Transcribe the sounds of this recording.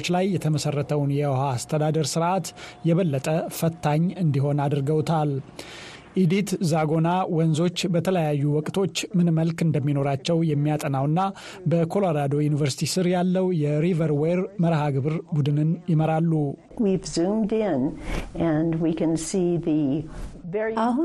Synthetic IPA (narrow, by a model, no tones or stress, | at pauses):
t͡ʃːlajːɛt̪ʰəməsərːət̪ʰəwnjɛhaːst̪ʰəd̪ad̪əɾsɨɾʔat̪jɛβəlːət̪ʼəfət̪ːaɲːɨnd̪iɦo̞nad̪ɾɡəwt̪ʰal | ʔid̪it̪zaɡo̞nawɔnzo̞t͡ʃːbət̪ʰələjajːuwɔkʼt̪ʰo̞t͡ʃːmɨnməlkɨnd̪əmːino̞ɾat͡ʃːɛwjɛmːijat̪ʼənawɨnːa | bəkʰo̞loɾad̪o̞junivəɾsi̥t̪ʰisɨɾjalːəwjɛɾivəɾweɾməɾhaɡɨβɨɾbud̪ɨnɨnjɪməɾalːu | wivzũmdɪ̃nɨ̃nwikɨ̃nsiðɨvɛah